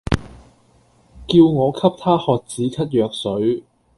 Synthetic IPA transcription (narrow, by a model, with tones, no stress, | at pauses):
kiː˧wŋɔː˨˧kʰɐ˥p̚t̪ʰaː˥hɔː˨k̚t͡siː˨˥kʰɐ˥t̚jœː˨˧k̚sɵ˨˥ɥ